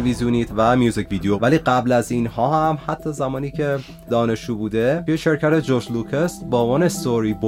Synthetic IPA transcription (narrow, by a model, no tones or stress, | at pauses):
vizjuniːt̪ʰvæmjuːzicʰviːd̪ejovæliːɢæblæziːnhɒːhæmhæt̪ʰːɒːzæmɒːniːcʰe̞ | d̪ɒːne̞ʃuːbuːd̪e̞jeʃe̞ɾcʰæt̪ʰed͡ʒoʃlukʰest̪bɒːvɒːnest̪oɾiːbo